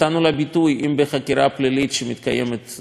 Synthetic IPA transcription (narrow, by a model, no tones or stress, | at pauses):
anulabit̪ujʔimbeχakʲiɾaplilit̪ʃemit̪ka̰jḛmet̪